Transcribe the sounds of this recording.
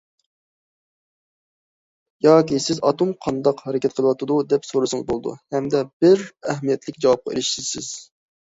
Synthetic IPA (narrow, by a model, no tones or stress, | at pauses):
jɑːkʲisɪzɑ̰t̪umqʰɑnd̪ɑqhɛɾɪkʲɛt̪̚qʰəlˠəwɑt̪ɨd̪ud̪ɛpsoɾɨsɨŋɨzbolˠɨd̪ṵhɛmd̪ɛbɪɾɛɦmijɛt̪ʰlɪkʲd͡ʒɑwɑp̚qʰɑ̰ḛlɪʃt̪ɪsɪz̥